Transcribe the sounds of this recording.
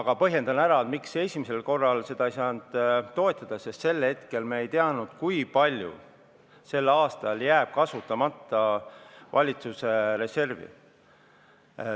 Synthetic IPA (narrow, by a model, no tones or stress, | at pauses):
ɑɡ̥ɑpɤɦje̞nd̪̥ɑnæɾɑet̪mikse̞sʲimise̞lko̞rːɑlse̞d̪ɑijsɑːnd̪̥t̪ːo̞e̞t̪ːˑɑd̪̥ɑsest̪se̞lhe̞t̪ke̞lmeejt̪eɑnud̪̥kujpɑlʲjṵ | se̞lːɑːst̪ɑljæːb̥̚kɑsut̪ːˑɑmɑt̪ːˑɑvʔɑlʲit̪suse̞ɾe̞se̞rvḭ